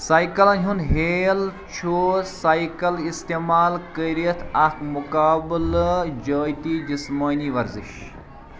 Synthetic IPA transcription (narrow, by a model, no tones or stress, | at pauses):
sajkɐlɐnʲɦunɦeːl | t͡ʃʰoːɾsajkɐlist̪eːmaːlkəɾiət̪ʰɐkmukaːbld͡ʒəːjt̪iːd͡ʒismɐːniʋɐɾziʃ